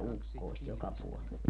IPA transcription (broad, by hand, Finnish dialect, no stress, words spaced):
ukːoˑist jokɑ puolel